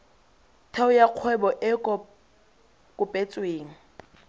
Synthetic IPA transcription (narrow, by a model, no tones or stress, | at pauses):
tʰɛʊjaq͡χʰwɛbɔʔɪkɔ | kʼʊpʼet͡sʼweːŋ̩